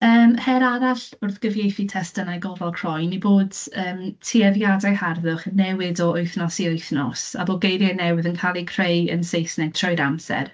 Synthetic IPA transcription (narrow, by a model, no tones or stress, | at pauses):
əːmhɛɾaɾaɬʊrðɡ̥əvjejθitʰɛstənajɡɔlˠvalˠkʰr̥ɔjniboːdəːmtʰiɛðjadajharðʊχnːɛwɪdɔojθnɔsiojθnɔsa̰boɡejɾjɛnɛwɪðənkʰalˠikʰrejə̰nsejsnɛɡ̥̚tʰrɔjɾamsɛ̰r